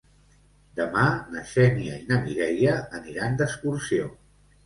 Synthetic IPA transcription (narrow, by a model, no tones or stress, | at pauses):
d̪əmanəʃɛniə̰inəmiɣɛjəːniɾand̪əskuɾsio